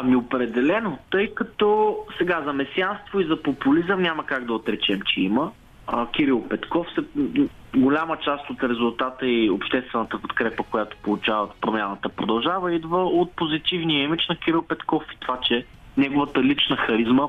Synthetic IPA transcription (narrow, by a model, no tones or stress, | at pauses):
ɐmiopɾɛd̪ɛlɛnot̪ɤjkɐt̪ɔsɛɡazɐmɛsʲjanst̪voizɐpopulizəmnʲaməkaɡd̪ɐot̪ɾɛt͡ʃɛmt͡ʃɛimə | ək̟ʲiɾilˠpɛt̪kɔfsɛ | ɡolʲamət͡ʃast̪ot̪ɾɛzʊlˠt̪at̪əiopʃt̪ɛst̪vɛnət̪əpot̪kɾɛpəkojat̪o̥polˠʊt͡ʃavət̪pɾomʲjanət̪əpɾod̪ɐlˠʒavəid̪vəot̪̚pozit̪ivnijəimit͡ʃnɐkʲiɾilˠpɛt̪kɔfi̥t̪ovat͡ʃɛ | nɛɡʊvət̪əlit͡ʃnəxɐɾizmə